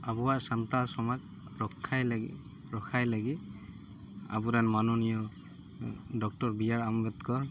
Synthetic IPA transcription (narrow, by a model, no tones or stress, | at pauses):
abuwaʔsant̪asɔmad͡ʒ | ɹɔkʰːajl | ɹɔkʰajlaɡi | a̰buɾanmanɔnijɔ | dɔk̚tɔɹbijaɹambɛt̪kɔɹ